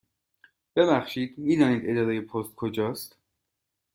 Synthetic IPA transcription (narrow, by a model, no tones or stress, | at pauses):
b̥e̞βæχʃiːd̪̥miːd̪ɒːniːd̪e̞d͡ʒɒːɾejepʰost̪̚kʰod͡ʒɒːst̪